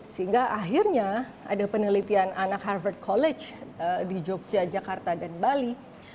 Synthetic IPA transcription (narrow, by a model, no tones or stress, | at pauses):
səiŋɡaʔaɦirɲa | a̰dapənəlit̪iananakharvərt̪̚kʰolɛt͡ʃədid͡ʒok̚d͡ʒad͡ʒakart̪adanbali